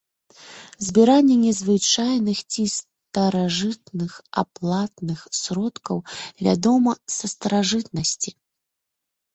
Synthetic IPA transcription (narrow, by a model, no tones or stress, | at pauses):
zʲbʲiɾanʲːɛnʲɛzvɨt͡ʂajnɨxt͡sʲis | t̪ɐɾaʐɨt̪nɨxa̰plˠat̪nɨxsɾɔt̪kɐwvʲa̰d̪ɔmɐsɐst̪ɐɾaʐɨt̪̚nɐsʲt͡sʲi